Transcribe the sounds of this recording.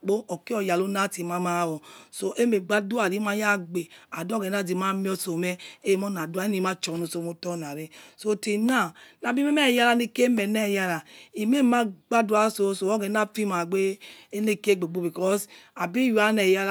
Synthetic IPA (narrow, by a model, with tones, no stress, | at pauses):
k͡po˦ɔ˨ki˦ɔ˨ja˨lo˦na˦ti˨ma˦ma˦˨wɔ˨so˦ʔe˦me˨ɡ͡ba˦du˦a˨ɾi˨˦ma˦ja˦˨ɡ͡be˨a˨dɡɛ˨˦na˦˨di˨ma˦mi˦ɔ˦so˨mɛ˦e˦˨mɔ˦na˨du˦a˨˦i˦ni˨ma˦t͡ʃɔ˨nu˨so˨mo˦tɔ˦˨na˨ɾe˦so˦ti˨na˦˨na˨bi˦e˦mɛ˦˨ja˦ɾa˦ni˦ke˦me˨nɛ˦˨ja˦ɾa˨i˨me˦ma˦ɡ͡ba˦du˦a˨˦so˨˦so˨ɔ˦ɡɛ˨˦na˦fi˦ma˨ɡ͡be˦e˦ne˦˨ke˦˨ɡ͡be˨ɡ͡bo˦bi˨kɔ˦sa˨bi˦ja˦nɛ˨ja˦˨